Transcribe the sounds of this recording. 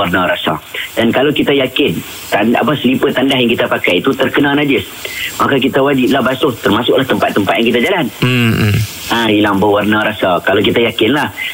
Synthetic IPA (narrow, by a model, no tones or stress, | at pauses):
arnaɾasa̰dankalawkit̪ajakɪn | t̪anʔa̰pasəlipət̪ːandaɦjaŋkit̪apakajit̪ut̪ərkənãnad͡ʒɪs | makak̬it̪awad͡ʒip̚lahbasʊht̪ərmasʊkʔlaht̪əmpat̪ːəmpat̪̚jaŋkit̪̬ad͡ʒalan̩ | ãilaŋbəwarnãɾasakalawkit̪ajakɪnlah